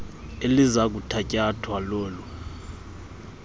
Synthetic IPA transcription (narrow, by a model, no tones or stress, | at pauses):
elizak̬utʰacʼatʰwalɔːlu